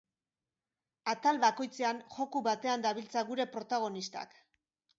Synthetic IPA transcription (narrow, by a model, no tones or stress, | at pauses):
at̪alβako̞jt͡se̞anxo̞kuβat̪e̞and̪aβilt͡saɣuɾe̞pɾo̞t̪aɣ̞o̞nist̪a̰k